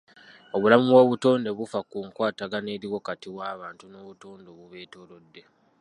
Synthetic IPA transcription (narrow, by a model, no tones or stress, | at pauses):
o̞βulamuwo̞ːβuto̞ːnde̞βufakuːŋkwaːtaɡane̞ːɾiɣwo̞katiwaːβaːntuno̞ːβuto̞ːndo̞βuβe̞ːto̞lo̞dːe̞